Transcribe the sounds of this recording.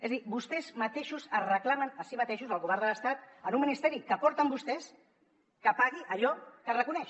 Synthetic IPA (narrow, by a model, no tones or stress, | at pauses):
ezðibust̪ezmat̪eʃuzərəklamanasimat̪eʃuzəlɣuβɛɾð̞ələst̪at̪anumːinist̪eɾikəpɔɾt̪ambust̪es | kəpaɣ̞iʔaʎɔkərəkunɛʃ